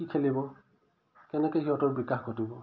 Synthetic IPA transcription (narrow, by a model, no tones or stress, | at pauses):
kikʰelibɔ | kɛnɛkɛjɦiɔtɔɹbikaxɡotibɔ